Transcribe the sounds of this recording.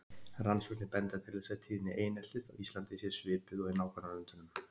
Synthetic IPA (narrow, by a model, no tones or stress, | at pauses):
ransʏt̪nɪpɛnt̪at̪ʰɪlθɛsːat̪ʰiːðɪnːɪʔeːjnɛt̪ɪst̪a̰wist̪lant̪ɪsjɛɾsvɪːɾpʏɣɔðinaːwkʰanaɾʏnt̪ʏnʏm